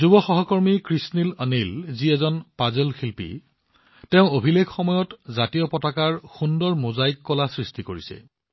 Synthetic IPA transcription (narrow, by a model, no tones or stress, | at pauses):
zubɔxɔɦɔkɔɹmikɹisnilənilziɛzɔnpazelxilpḭ | tɛʊ̃obʱileɡxɔmɔjɔtzatijɔpɔtakaɹxundɔɹmozajkːɔlasɹistikoɹisɛ̰